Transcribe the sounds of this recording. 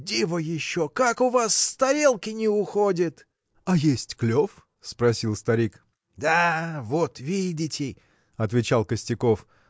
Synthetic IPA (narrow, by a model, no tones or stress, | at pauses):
dʲivəjɪɕːokakʊvasst̪ɐɾʲelˠkʲɪnʲɪʊxodʲɪt̪ | ɐjesʲtʲklʲof | spɾɐsʲilˠst̪ɐɾʲik | d̪avot̪vʲidʲɪtʲɪ | ɐt̪vʲɪt͡ɕalˠkəsʲtʲɪko̞f